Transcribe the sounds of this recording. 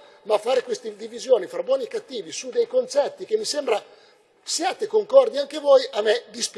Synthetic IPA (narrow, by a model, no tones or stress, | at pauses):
mafːaːɾekwest̪ed̪ivizjoːnifɾabwɔːnikat̪ːiːvisud̪ejkont͡ʃɛt̪ːik̟emːisembɾa | sjaːt̪ekoŋkɔrd̪iaŋk̟evɔjʔamed̪isp